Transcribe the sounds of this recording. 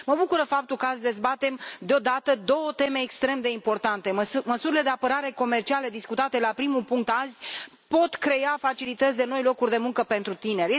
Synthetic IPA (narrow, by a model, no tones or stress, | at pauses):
məbukuɾəfap̚t̪ulkəasd̪e̞zbat̪e̞md̪eo̞d̪at̪əd̪o̞wət̪e̞meːkst̪ɾe̞md̪e̞impo̞rt̪ant̪e̞məsuɾile̞d̪e̞apəɾaɾe̞ko̞me̞rt͡ʃiale̞d̪iskut̪at̪e̞lapɾimupuŋk̚t̪azʲ | po̞t̪kɾe̞jafat͡ʃilit̪ət̪sʲd̪e̞no̞jlo̞kurʲd̪e̞muŋkəpe̞nt̪ɾut̪ine̞rj